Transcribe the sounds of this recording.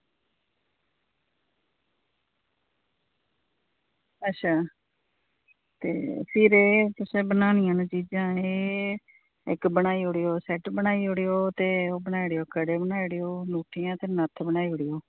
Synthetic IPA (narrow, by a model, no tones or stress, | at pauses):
ətːʃʰaː | t̪ḛːpʰɪɾeːt̪ʊsẽːbənaːnɪjãːnt͡ʃiːd͡ʒãːeː | ɪkbənaːiːoːɽeːoːsɛʈbənaːiːoɽeːoːt̪eːoːbənaːiɽejoːkəɽeːbənaːiɽeːoːluːʈʰɪjãːt̪eːnət̪ʰbənaːiːɦoɽiːoː